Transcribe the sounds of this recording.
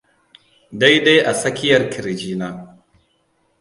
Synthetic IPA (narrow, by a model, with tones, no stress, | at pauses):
da˦jde˦jʔa˨sɐ˦kʲɪ˦jɐ˨rkʲʰɪ˨ɾɪ˨d͡ʒiː˦naː˦